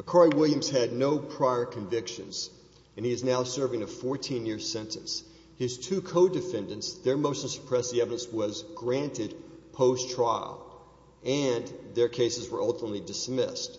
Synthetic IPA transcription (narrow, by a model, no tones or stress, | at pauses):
əkʰɑɹiwɪlˠjɨ̃mz̥ɨdⁿnoʊpʰɹ̥aɪə˞kʰɨ̃ɱvɪkʃɨ̰̃nz̥ | ɨ̃niɨznaʊsɜ˞vɪ̃ŋɨfɔɹtʰĩnjɪɹsɛ̃ntʰɨ̰̃ns | hɨz̥tʰʉkʰoʊdɨfɛ̃ndɨ̃ntsðə˞moʊstl̩sə̥pʰɹ̥ɛsiɛvɨɾɨ̃nswʌzɡɹæ̃ntɨd̚pʰoʊstʰɹ̥aɪl̩ˠ | ɨ̃nðə˞kʰeɪsɨzwə˞ʔʌlˠtəmətˡlidɨsmɪ̰st